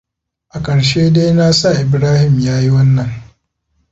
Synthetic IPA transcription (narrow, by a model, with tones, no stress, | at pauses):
ʔa˨kʼɐ˨ɽʃeː˦de˦jna˦sa˦˨ʔɪ˨bɾaː˦hɪ˨mjaː˦ji˦wɐ˦nːɐ˨ŋ